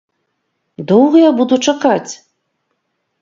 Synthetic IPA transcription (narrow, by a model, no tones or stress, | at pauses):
d̪owɣɐjabud̪ut͡ʂakat͡sʲ